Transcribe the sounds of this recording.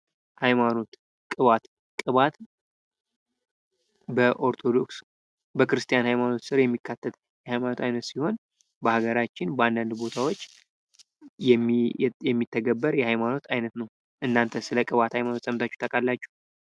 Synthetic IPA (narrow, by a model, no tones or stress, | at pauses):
hajmano̞t̪ | kʼɨβat̪ | kʼɨβat̪ | bəʔo̞ɾt̪ʰo̞d̪o̞ks | bəkɾɨst̪ʼijanhajmano̞t̪sɨɾjɛmːikʰːat̪ʰːət̪ | jɛhajmano̞t̪ʰajnət̪siho̞n | bəhaɡəɾat͡ʃːɪnbəand̪and̪bo̞t̪ʰawo̞t͡ʃː | ɛjɛmːit̪ʰːəɡəbːəɾjɛhajmano̞t̪ʰajnət̪nəw | ʔɨnːant̪ʰəsɨləkʼɨβat̪hajmano̞t̪sʼəmt̪ʰat͡ʃːu̥t̪ʰəkʼalːat͡ʃːu̥h